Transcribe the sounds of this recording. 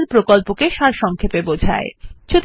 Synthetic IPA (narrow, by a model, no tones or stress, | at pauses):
ɾpɾokolpokeʃaɾʃɔŋkʰepebod͡ʑʱa̰et͡ɕʰot̪